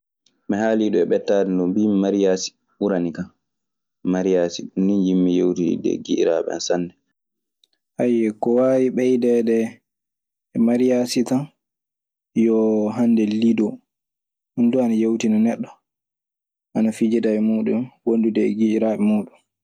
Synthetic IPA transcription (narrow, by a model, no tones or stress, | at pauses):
mɛhaliɗɔɛɓɛtːaːdindɔmbimmaɾijaːsi̥ | uɾanikan | maɾijasiɗunːinjimːijewtḭdɛ̰ɡiʔḭɾa̰ɓɛ̰a̰nsanːdɛ | ʔajːɛkɔwawiɓɛjdɛdɛ | maɾijasitan | jɔɦandɛlidɔ | unduanajewtinanɛɗːɔ | ʔanafid͡ʒɛdawɛmuːɗumwondudɛːɡiiɾaːɓɛmuːɗum